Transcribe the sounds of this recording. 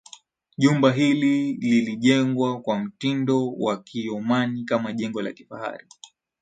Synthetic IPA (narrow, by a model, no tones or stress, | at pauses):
ʄumbaɦilililiʄɛŋɡwakwam̩tindɔwakʰiɔmanikamaʄɛŋɡɔla̰ki̥faha̰ɾi